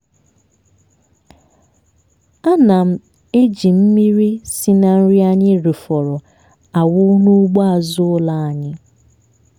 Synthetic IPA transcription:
a˦na˨m̩˦ | e˦d͡ʒi˨m̩˦mi˦ɾi˦si˦na˨n̩˦ɾi˦a˦ɲɪ˦ɾi˨fɔ˨ɾɔ˨ | a˨wʊ˦nu˦ɡ͡bɔ˦a˨zʊ˦ʊ˦la˨a˨ɲɪ˦

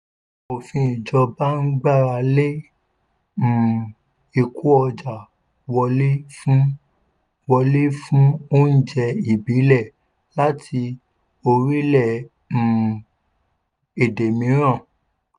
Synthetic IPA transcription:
o˨fĩ˧i˨d͡ʒɔ˧ba˦n̩˦ɡ͡ba˦˨ɾa˧le˦ | m̩˦˨ | i˨ku˦ɔ˧d͡ʒa˨ | wɔ˧le˦fũ˦ | wɔ˧le˦fũ˦o˦n̩˦˨d͡ʒɛ˧i˨bi˨˦lɛ˦˨ | la˦tʰi˧ | o˧ɾi˦lɛ˦˨ | m̩˨ | e˨de˨mĩ˨˦ɾ̃ã˦˨

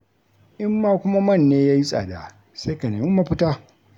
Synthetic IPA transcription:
ʔɪ˦mːaː˦kʷʊ˦ma˦mɐ˦˨nːeː˦jaː˦ji˦sʼa̰ː˨da̰˨ | se˦ka˨neː˨mɪ˦mːa˦pɪ˦taː˦

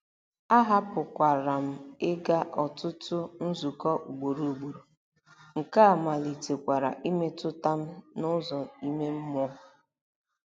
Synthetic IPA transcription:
a˦ɦa˦pʊ˨kʷa˨ɾa˨m̩˦ɪ˦ɡa˦ʔɔ˨tʊ˦tʊ˦n̩˦zu˨kɔ˦ʔu˨ɡ͡bo˨ɾu˨ɡ͡bu˨ɾu˨ | ŋ̩˨ka˦a˨ma˨li˨te˨kʷa˨ɾa̰˨ʔi˦me˦tʊ˦ta˦m̩˦nʊ˦zɔ˨i˦me˦m̩˦mɔ˦ɔ˦

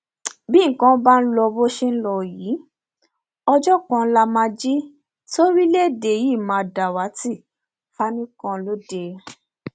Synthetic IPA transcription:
bĩ˦ŋ̩˦kã˧˦ba˦n̩˦lɔ˧bo˦ʃe˦n̩˦lɔ˧˨ji˨˦ | ɔ˧d͡ʒɔ˦kã˧˦la˦mãː˧d͡ʒi˦ | to˦ɾi˦le˦˨de˨ji˦˨mãː˨˧˨da˨wa˨˦ti˦˨ | fa˦nĩ˦kã˧lo˦de˧

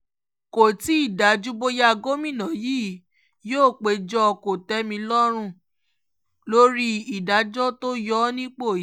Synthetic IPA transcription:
ko˨ti˨˦i˦˨da˨˦d͡ʒu˦bo˦ja˦ɡo˦mĩ˦˨nã˨jiː˦˨ | joː˦˨k͡pe˨˧d͡ʒɔ˦˧ko˨tɛ˨˦mĩ˧lɔ˦ɾ̃ũ˦˨ | lo˦ɾi˦i˨da˨˦d͡ʒɔ˦to˦jɔ˦nĩ˦k͡po˦˨˦

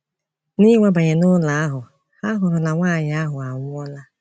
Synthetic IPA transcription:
ni˦ŋʷa˦ba˨ɲe˨nʊ˦la˨a˦ɦʊ˨ | ha˦ɦʊ˨ɾʊ˨na˨ŋʷaː˦˨ɲɪ˨a˦ɦʊ˨a˨ŋʷʊ˦ɔ˦la˦

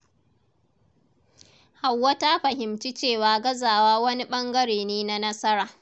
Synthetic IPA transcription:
ha˨wːɐ˦ta˦ɸɐ˨ɦɪ˨mt͡ʃi˦t͡ʃeː˦˨waː˨ɡɐ˦zaː˨waː˦wɐ˦ni˦ɓɐ˦ŋɡɐ˦ɽeː˨neː˦na˦nɐ˦sɐ˦ɾaː˨

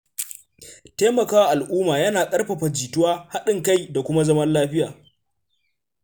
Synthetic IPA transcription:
teː˦mɐ˨kaː˦wa˦˨ʔa˨lʔuː˦maː˨jɐ˦naː˨kʼɐ˦rɸɐ˨ɸɐ˨d͡ʒiː˨tʊ˦waː˦ha˦ɗɪ˨ŋka˦˨jda˨kʷʊ˦ma˦zɐ˦mɐ˦nlaː˦ɸɪ˦jaː˨

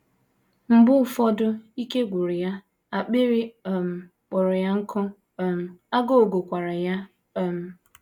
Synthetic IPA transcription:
m̩˨bʊ˦˨fɔ˦dʊ˦i˦ke˦ɡʷu˨ɾi˨ja˦ | a˨k͡pe˦ɾi˦˨m̩˨ | k͡pɔ˨ɾɔ˨ja˦ŋ̩˦kʰɔ˦ | m̩˦a˦ɡo˦o˨ɡo˨kʷa˨ɾa˨ja˦˨ | m̩˦

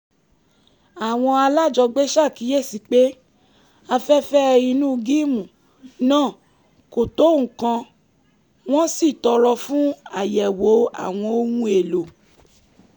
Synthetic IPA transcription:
a˨w̃ɔ̃˧a˧la˦˨d͡ʒɔ˧ɡ͡be˦ʃa˦˨ki˨˦je˦˨si˨˧k͡pe˦ | a˧fɛ˦fɛ˦i˧nũ˦˧ɡi˦˨mũ˨ | nãː˦˨ | ko˨to˨˦ũ˨kã˧ | w̃ɔ̃˦si˦˨tɔ˧ɾɔ˧fũ˦a˦˨jɛ˨wo˨˦a̰˦˨w̃ɔ̃˧o˦wũ˦e˨lo˨

